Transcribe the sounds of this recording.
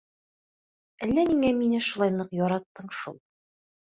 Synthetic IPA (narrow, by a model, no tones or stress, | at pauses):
ælːæniŋæminɘʃulˠɑjnˠɤqjɒɾɑt̪ːɤɴʃṵlˠ